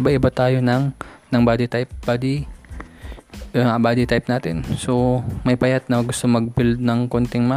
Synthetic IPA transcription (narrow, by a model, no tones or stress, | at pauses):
bɐʔɪbɐt̪aːjonɐŋnɐŋbaːd̪ɪt̪ajp̚b̥ad̪i | ɐabaːd̪ɪt̪ajp̚naːt̪ɪ̰nsomɐjpɐjat̪̚nɐɡʊst̪oŋmɐɡ̚bɪld̪̚nɐŋkont̪ɪŋma